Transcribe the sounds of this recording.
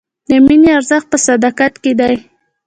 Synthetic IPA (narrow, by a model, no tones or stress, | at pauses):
d̪əmineaɾzax̚pəsad̪akat̪ked̪aj